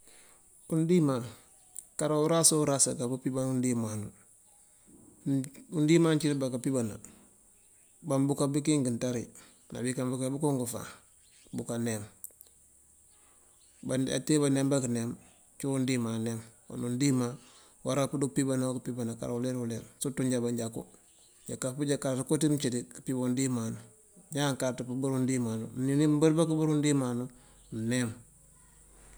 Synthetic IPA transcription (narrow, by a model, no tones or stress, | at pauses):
undima | kaɾauɾasauɾasaɡabupibanundimanu | undimant͡ʃidbakapibana̰ | bambukabikiŋɡintaɾi | na̰bikambukabukuŋɡufa̰ | bukanem | baa̰tebanembakanem | t͡ʃuundiːmanemo̰nundima | waɾapudupibanakpibanaka̰ɾuleɾuleɾsutuɲɟabaɲɟakṵ | ɟakːapud͡ʒakaɾtukotimt͡ʃidikpibondimanu | ɲaŋkatupubuɾundimanṵninimbaɾbakbuɾundiːmanu | nem